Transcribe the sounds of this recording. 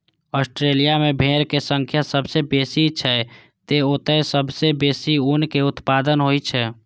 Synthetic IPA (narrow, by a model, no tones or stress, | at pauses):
ɔsʈɾelijamebʱeɾkesəŋkʰjasəbʱsebesit͡ʃʰɛ | t̪eot̪əsəbʱsebesiunkeʊt̪pad̪ənɦojt͡ʃʰɛ